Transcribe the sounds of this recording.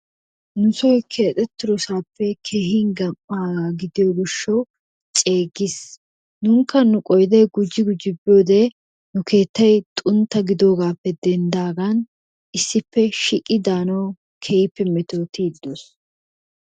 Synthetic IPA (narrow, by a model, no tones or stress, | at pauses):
nʊsɔjkʰe̞ːt̪ʼɛt̪ːɪɾɔsaːpːɛkʰeːɦiːŋɡɐmːaːɡaːɡɪd̪ɪjoɡɪʃːɐw | t͡ʃʼeːɡɪs | nʊŋkːɐnʊkʼɔjd̪ɛjɡʊd͡ʒɪɡʊd͡ʒɪbːɪjoːd̪ɛ | nʊkʰe̞ːt̪ːɐjt̪ʼʊnt̪ːɐɡɪd̪o̞ːɡaːpːɛd̪ɛnd̪aːɡɐn | ʔɪsːɪpːɛʃɪkʼːɪd̪aːnɐw | kʰɛjɪpːɛmɛt̪oːt̪iːd̪ːos